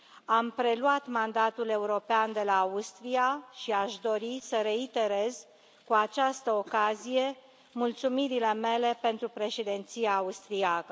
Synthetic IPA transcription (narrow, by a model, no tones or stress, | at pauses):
ampɾe̞luat̪mand̪at̪ule̞uɾo̞peand̪e̞laust̪ɾiaʃiaʃd̪o̞ɾisəɾe̞it̪e̞ɾe̞z | kuat͡ʃast̪əokazije̞ | mult̪sumiɾile̞me̞le̞pe̞nt̪ɾupɾe̞ʃed̪ent̪sijaːust̪ɾiakə